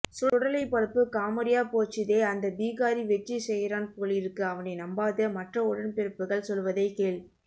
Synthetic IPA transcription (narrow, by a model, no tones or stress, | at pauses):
sʊʊɽɐlɐɪpɐɾɯpːɯkaːmɐɾɪjaːpoːt͡ʃːɪðeːɐnd̪ɐbiːɣaːɾiʋɛt͡ʃːisɛjːɪɾaːnpoːɭɪɾɯkːɯɐʋɐnɐɪnɐmbaːðɯmɐʈrɐʊɽɐnpɛɾɯpːɯɣɐɭsɔlʋɐðɐɪkeːɭ